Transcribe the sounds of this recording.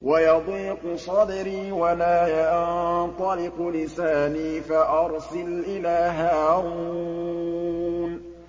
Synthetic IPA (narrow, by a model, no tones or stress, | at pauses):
wajɑd̪ˤiːqʊsˤɑd̪ɪɾiːwalaːjat̪ˤɑlɪqlɪsaːniːfaʔɑɾˤsɪlʔɪlaːɦaːɾuu | n